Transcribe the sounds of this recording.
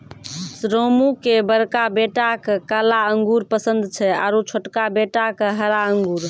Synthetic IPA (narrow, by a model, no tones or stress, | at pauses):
sɾomukebəɾkabeʈakekalaəŋɡuɾpəsənd̪t͡ʃʰɛa̰ɾot͡ʃʰoʈkabeʈakeɦəɾaəŋɡuɾ